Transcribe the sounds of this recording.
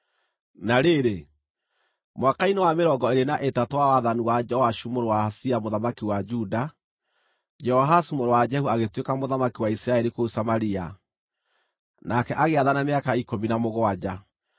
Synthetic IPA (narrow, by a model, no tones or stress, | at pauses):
naɾeɾe | mwakainewameɾɔɡɔeɾenaʔetatowawaðaniwad͡ʒɛɔhaʃumoɾowahasiamoðamakiwad͡ʒuda | d͡ʒɛɔɦasumoɾowad͡ʒɛhuaɣetwekamoðamakiwaisiɾaɛɾikousamaɾia | nakɛʔaɣeaðanameakaikominamoɣoad͡ʑa